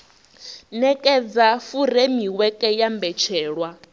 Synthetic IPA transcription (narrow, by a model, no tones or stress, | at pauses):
nɛkʼɛd͡zafuɾemiwɛkʼɛjambɛt͡ʃʰɛːɺwa